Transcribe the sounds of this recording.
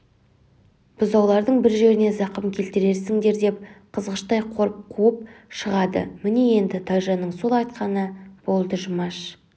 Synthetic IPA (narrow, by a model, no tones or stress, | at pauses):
b̥ʊzɑwlˠɑɾd̪əɴbɪɾʒe̞ɾɪne̞zɑqəmkʲʰe̞lt̪ɪɾe̞ɾsɪŋd̪e̞ɾd̪e̞p̚qʰəzʁəʃt̪ɑjqʰo̞ɾəp̚qʰuəp̚ʃəʁɑd̪ə̰mɪne̞je̞nd̪ɪt̪ʰɑʒɑnəɴso̞lˠɑjt̪̚qɑnəb̥o̞lˠd̪əʒʊmɑʃ